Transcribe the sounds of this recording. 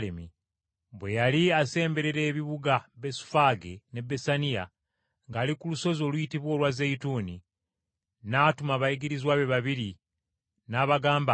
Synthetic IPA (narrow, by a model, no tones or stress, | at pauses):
lemi | βwe̞jaliase̞ːmbe̞ɾe̞ɾe̞ːβiβuɡabe̞su̥faɡene̞besanija | ŋɡaːlikuluso̞zo̞ːlujitiβwo̞ːlwazeituːni | naːtumaβajiɡiɾizwaːβe̞βaβiɾi | naːβaɡaːmba